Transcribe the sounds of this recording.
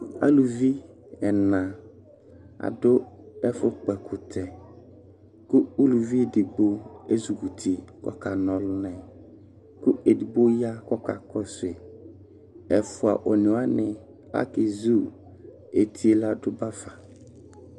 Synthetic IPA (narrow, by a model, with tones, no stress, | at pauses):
a̰˦lu˨vi˦ | ɛ˨nã˨ | a̰˨dʊ˦ɛ˦fʊ˦k͡pɛ˨kʰʊ˨tʰɛ˨ | kʊ˦u˦lu˨vi˦e˨dɪ˨ɡ͡bo˦e˦zu˨ku˨tʰi˨kɔ̰˨ka˨nɔ̃˨lʊ˦nɛ̃˨ | kʊ˦e˨di˨ɡ͡bo˦ja˦kɔ˦ka̰˨kɔ˦sʊ˨e˨ | ɛ˨fʊ˨a˨ʔo˨nɪ̃˨˦a˦nɪ̃˨ | a̰˦kɪ˨zu˦˨ | e˨tʰi˦e˦la˦dʊ˦ba˦fa˨